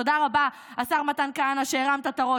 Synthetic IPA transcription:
odaʁaba | asaʁmatankaanaʃeːʁamt̪at̪aʁo

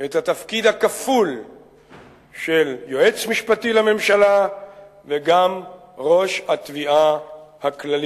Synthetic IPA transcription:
et̪hat̪afkid̪hakaful | ʃeljo̞ʔe̞t͡smiʃpat̪ilame̞mʃala | veɡam | ʁo̞ʃhat̪viahaklali

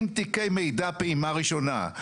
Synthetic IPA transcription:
mt̪ikejme̞jd̪apeimaʁiʃo̞na̰

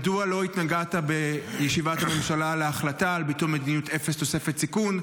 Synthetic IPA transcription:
dualo̞it̪naɡat̪abejeʃivat̪amenʃalaleaχlatalbitumed̪inijut̪ʰefest̪o̞se̞fet̪sikun

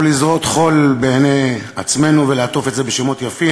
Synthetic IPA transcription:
lizʁo̞t̪χo̞lbeːneat͡sme̞nuveleat̪o̞fetzebeʃemot̪jafi

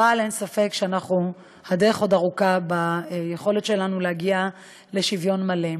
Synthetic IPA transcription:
alensafekʃeanaχnu | had̪eʁeχo̞daʁukabajeχo̞let̪ʃe̞lanulehaɡia | le̞ʃivjo̞nmalem

